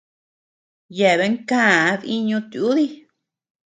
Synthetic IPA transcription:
je˨βe˧˦ŋkãː˦˨˧ði˦ɲũ˧t̪u˨u˦ði˦

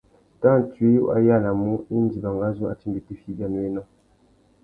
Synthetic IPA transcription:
ta˦˨tɥe˦ju˦ʔa̰˦ja˦˨la˨mɔ˦i˦n˦di˨ba˨ŋɡa˦zu˦a̰˨ti˦be˨ti˦fi˦ba˨nwe˦na˦

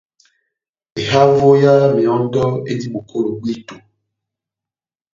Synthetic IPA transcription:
e˨ɦa˦vo˦ja˦mẽ˨ɔ̃˦n˦dɔ˦ḛ˦di˦ɡ͡bo˨kʰo˦lo˨ɡ͡bi˦to˨

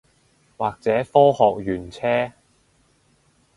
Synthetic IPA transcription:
waː˨k̚t͡sɛː˨˥fɔː˥hɔː˨k̚jyː˨˩nt͡sʰɛː˥

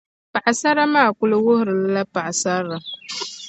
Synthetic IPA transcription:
pa˨ʔa˨sa˦ɾa˦ma˦˨ku˦lo˦wo˦hɾla˦la˦pa˨ʔa˨sa˦ɾa˨

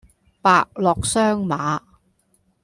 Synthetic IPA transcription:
paː˨k̚lɔː˨k̚sœː˥ŋmaː˨˦

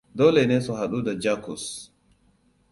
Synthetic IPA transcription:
doː˦lɛneː˦nsɔ˨ɦa˨ɗu˦dad͡ʒaː˦kus

